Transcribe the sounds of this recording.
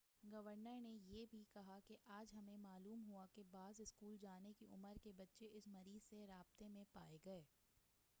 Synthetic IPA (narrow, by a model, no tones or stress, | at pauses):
ɡɐʋəɾnəɾnejeːbʱikɐɦakeʔaːd͡ʒɦɐmẽmaːluːmɦuakebaːzɪskuːld͡ʒaːnekiʔʊ̰məɾkebɐtːʃeʔɪsmɐɾiːzseɾaːb̚t̪emẽpaːeɡɐeː